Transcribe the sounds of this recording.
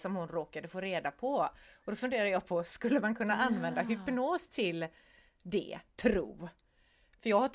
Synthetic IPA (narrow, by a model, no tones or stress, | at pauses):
sɔmhʊnɾoːkad̪əfoːɾeːd̪apʰɔɔd̪ɔfɵnd̪eːɾaəjɑːpʰɔskɵlːəmankʰɵnːaʔanvɛnd̪aɦʏpnoːst̪ʰɪl | d̪ɛ̰t̪ʰɾṵː | fœjɑːɡhaʈ